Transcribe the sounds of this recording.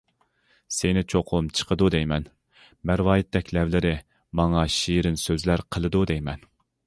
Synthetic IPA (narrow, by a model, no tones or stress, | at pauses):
senɪt͡ʃʰoqʰmt͡ʃʰə̥qʰəd̪ud̪ɛjmɛn | mæɾwɑːjɪt̪ʰːɛkʲlɛvlɪɾɪ | mɑŋɑʃiɾɪnsøzlæɾqʰəlˠɨd̪ud̪ɛjmɛn